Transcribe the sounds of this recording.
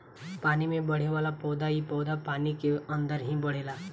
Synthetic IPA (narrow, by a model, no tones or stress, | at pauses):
paːnimẽbəɽ̤eʋalapɔwd̪ajipɔwd̪apanikeənd̪əɾɦĩbəɽ̤ela